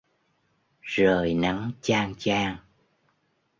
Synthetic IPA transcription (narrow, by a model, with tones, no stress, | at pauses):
zəː˨˩jna˨˦ŋt͡ɕaː˧ŋt͡ɕaː˧ŋ